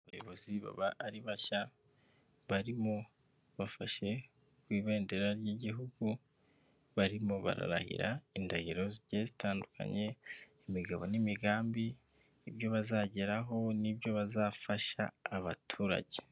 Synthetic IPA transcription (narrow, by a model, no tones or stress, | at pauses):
βajo̞βo̞ziβa̰βaʔːɾiβaça | βaɾimo̞ | βafaʃe̞ | kwiːβeːnde̞ɾaɾjiɟiɦuɡu | βaɾimo̞βa̰ɾa̰ɾa̰hḭɾa̰indahiɾo̞ziɟezitʰaːnduka̰ɲe̞ | imiɡaβo̞nimiɡaːmbiː | bjo̞βazaɟeɾaɦo̞nibjo̞βazaːfaʃa̰ːβatʰuːɾa̰ɟe̥